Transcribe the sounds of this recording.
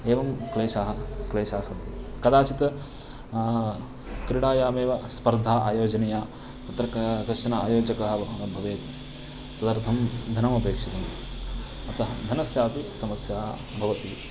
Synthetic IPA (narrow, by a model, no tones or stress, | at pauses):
eːʋɐmkleːʃaːɦɐkleːʃaːsɐnt̪ikɐd̪aːt͡ʃit̪ɐ | kɾiɽaːjaːmeːʋɐspɐɾd̪ʱaːʔaːjoːd͡ʒɐnejaː | t̪ɐt̪ɾɐkkɾɐʂɐnɐa̰ːjoːd͡ʒɐkɐɦɐ̆bʱɐʋeːt̪i̥ | t̪ɐd̪ɐɾt̪ʰɐmd̪ʱɐnɐmɐpeːkʂit̪ɐm | ɐt̪ɐɦɐd̪ʱɐnɐsjaːt̪isɐmɐsjaː | bʱɐʋɐt̪i